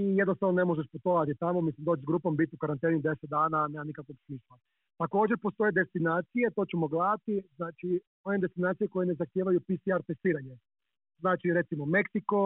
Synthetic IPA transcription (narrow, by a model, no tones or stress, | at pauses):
ijed̪nost̪ɾaʋnone̞moʒeʃput̪oʋat̪it̪amomislimd̪oːt͡ʃzɡɾuːpombit̪iukaɾant̪eːnid̪e̞set̪̚d̪aːnaneːmanikakoksmiʃa | t̪ako̞ːd͡ʑeɾpo̞st̪o̞jed̪e̞st̪inaːt̪sije̞t̪o̞ːt͡ɕemoɡlaːat̪iznaːt͡ʃi | oned̪e̞st̪inaːt̪sijeko̞jenezaxt̪jeːʋajupisiaɾt̪e̞st̪iːɾaɲe | znaːt͡ʃiɾet̪simome̞ksiko̞